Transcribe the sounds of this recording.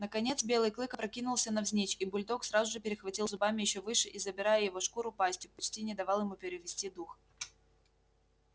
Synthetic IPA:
nəkɐnʲe̞t̪sbʲe̞lˠɨjklˠɨkəpɾɐkʲinʊlˠsʲənɐvzʲnʲet͡ɕibʊlʲd̪oksɾazʊʐɨpʲɪɾʲɪxvɐtʲilˠzʊbamʲɪjɪɕːovɨʂɨʔizəbʲɪɾajəjɪvo̞ʂkuɾʊpasʲtʲʊk̚pɐt͡ɕtʲinʲɪd̪ɐvalˠjɪmupʲɪɾʲɪvʲɪsʲtʲid̪ux

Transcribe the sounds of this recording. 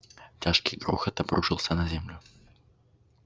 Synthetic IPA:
tʲaʂkʲijɡɾṵxɐt̪ɐbɾuʂɨlˠsʲənɐzʲemlʲʊ

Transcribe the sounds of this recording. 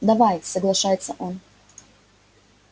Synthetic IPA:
d̪ɐvajsɐɡlˠɐʂajɪt̪səʔon

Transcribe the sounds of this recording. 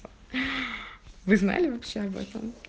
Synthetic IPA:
vɨzna̰lʲɪvɐpɕːeɐbɛ̰t̪ə̰m

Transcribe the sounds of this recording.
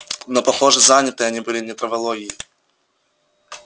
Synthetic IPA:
nopɐxo̞ʐɨzanʲɪt̪ɨɐnʲibɨlʲɪnʲɪt̪ɾəvɐlˠoɡʲɪjɪ

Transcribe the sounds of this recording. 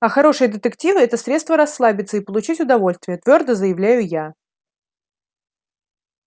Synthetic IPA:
ɐxɐɾo̞ʂɨjəd̪ət̪ɨktʲivɨɛt̪əsɾʲe̞t̪st̪vəɾɐsːlˠabʲɪt̪səipəlˠʊt͡ɕitʲʊd̪ɐvo̞lʲst̪vʲɪjət̪vʲord̪əzəjɪvlʲæjʊja

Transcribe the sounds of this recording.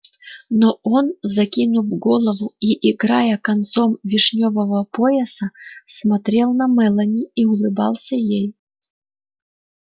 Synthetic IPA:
nɔonzɐkʲinʊvɡɔlˠəvʊiʔɪɡɾajəkɐnt̪somvʲɪʂnʲovəvəpojɛsəsmɐt̪ɾʲelˠnɐmɛlˠɐnʲiːʊlˠɨba̰lˠsʲɐjej

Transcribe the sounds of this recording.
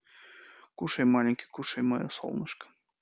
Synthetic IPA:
kuʃejmɑlʲiŋʲkʲe̥kuʃejmɤjoso̰lˠnəʃkə̥

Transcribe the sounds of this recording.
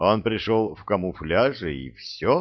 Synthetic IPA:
o̞npɾʲɪʂolˠfkɐmuflʲaʐɨḭfsʲo

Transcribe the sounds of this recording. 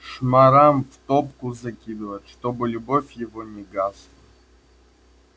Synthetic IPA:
ʂmaɾamft̪op̚kʊzakʲid̪ɨvɐt̪ʲʂt̪obɨlʲubofʲjɪvonʲɪɡaslˠɐ

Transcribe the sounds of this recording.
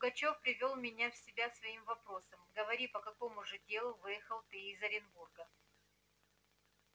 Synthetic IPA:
lʊɡɐt͡ɕo̞fpɾʲɪvʲolˠmʲɪnʲafsʲɪbʲasvɐimvɐpɾo̞səmɡəvɐɾʲipəkɐko̞mʊʐɨdʲe̞lˠʊvɨjɪxəlˠt̪ɨɪzɐɾʲɪnburɡə

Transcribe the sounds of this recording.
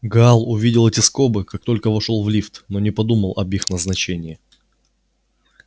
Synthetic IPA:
ɡalˠʊvʲidʲɪlˠətʲɪsko̞bɨkak̚t̪o̞lʲkəvɐʂolˠvlʲift̪nonʲɪpɐd̪uməlˠʔɐ̰bixnəznɐt͡ɕenʲɪɪ

